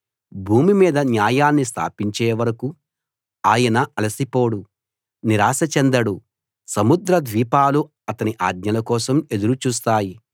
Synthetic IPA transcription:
bʱuːmimiːd̪ɐnjaːjaːnːist̪ʰa̰ːpiɲt͡ʃeːʋɐɾɐku | aːjɐnɐʔɐlɐsipoːɽu | niɾaːsɐt͡ʃend̪ɐɽu | sɐmud̪ɾɐd̪ʋiːpaːlu | ɐt̪ɐniʔa̰ːd̪ɲɐlɐkɔːsɐme̞d̪uɾut͡ʃuːst̪aːji

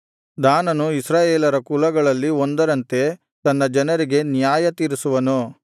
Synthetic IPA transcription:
d̪aːnɐnuisɾaːjeːlɐɾɐkulɐɡɐɭɐlːiond̪ɐɾɐnt̪e̞ | t̪ɐnːɐd͡ʒɐnɐɾiɡe̞njaːjɐt̪iːɾisuʋɐnu

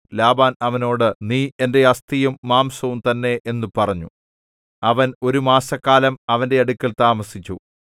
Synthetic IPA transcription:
laːbaːnɐʋɐno̞ːɽɨniːe̞nde̞ɐst̪ijumːaːmsɐʋumt̪ɐnːe̞ʔenːupɐrɐɲːṵ | ɐʋɐno̞ɾumaːsɐkːaːlɐmɐʋɐnde̞ɐɽukʲːɐlt̪aːmɐsit͡ɕːu

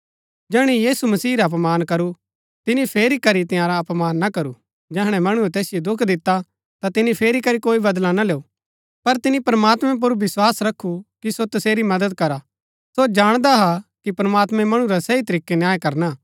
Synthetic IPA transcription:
d͡ʒɛːɽ̃ijiːsumɐsiːɾaɐp̬maːnkɐɾu | t̪ɪnipʰeːɾikɐɾit̪ɪjãːɾaɐpmaːnːakɐɾu | d͡ʒɛɦɽ̃ɛmɐɽ̃uɛt̪ɛːsɪjod̪ʊkʰd̪ɪt̪ːa | t̪at̪ɪnipʰeːɾikɐɾikoːibɐd̪lanaleːu | pɐɾt̪ɪnipɾɐmaːt̪mɛ̃p̬ʊɾʋɪswaːsɾɐkʰːukisot̪ɐseːɾimɐd̪əd̪̚kɐɾa | sod͡ʒaːɽ̃d̪aɦakipɾɐmaːt̪mɛ̃mɐɽ̃ũɾasɐit̪ɐɾiːkenjaːjkɐɾna

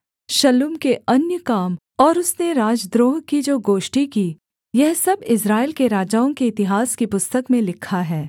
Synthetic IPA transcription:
ʃɐlumkeɐnjəkaːm | ɔːɾʊsneɾaːd͡ʒd̪ɾoːɦkid͡ʒoːɡoːʃʈiki | jɛɦsɐbɪs̬ɾaːɪlkeɾaːd͡ʒaːõkeɪt̪ɪɦaːskipʊst̪əkmẽlɪkʰːaɦɛː

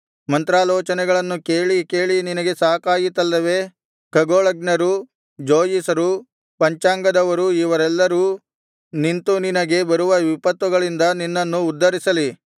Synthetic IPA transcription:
mɐnt̪ɾaːlɔːt͡ʃɐnɛɡɐɭɐnːukeːɭike̞ːɭininɐɡe̞saːkaːjit̪ɐlːɐʋe̞ | kɐɡoːɭɐɡnɐɾu | d͡ʒoːjisɐɾu | pɐɲt͡ʃaːŋɡɐd̪ɐʋɐɾuiʋɐɾɛlːɐɾu | nint̪uninɐɡe̞bɐɾuʋɐʋipɐt̪ʋuɡɐɭind̪ɐninːɐnːuːd̪ːɐɾisɐli

